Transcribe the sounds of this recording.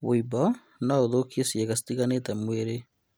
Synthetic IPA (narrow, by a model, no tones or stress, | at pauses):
wʔoibɔ | naoðokiesieɣasi̥tiɣanetɛmweɾe